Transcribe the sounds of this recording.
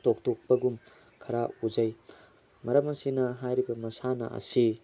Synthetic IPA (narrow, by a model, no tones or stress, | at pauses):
tok̚tok̚pɐɡum | kʰɐɾauzɐj | mɐɾɐmɐsinɐɦajɾibɐmɐsanɐ̰ʔɐ̰si